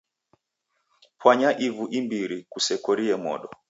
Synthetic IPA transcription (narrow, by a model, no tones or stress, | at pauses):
pwaɲaʔivuʔimbiɾikusɛkɔɾiɛmɔ̰ɗɔ